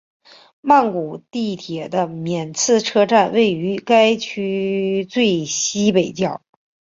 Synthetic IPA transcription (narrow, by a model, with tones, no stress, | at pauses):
ma˥˩nku˨˩t̪i˥˩t̪ʰjɛ˨˩d̪ə˦mjɛ˨˩nt͡sʰɹ̩˥˩ʈ͡ʂʰɤ˥ʈ͡ʂa˥˧nwe˥˩ɪy˧˥ka˥ɪt͡ɕʰy˥t͡swe˥˩˧ɪɕi˥pe˨˩ɪt͡ɕjɑ˥˩ʊ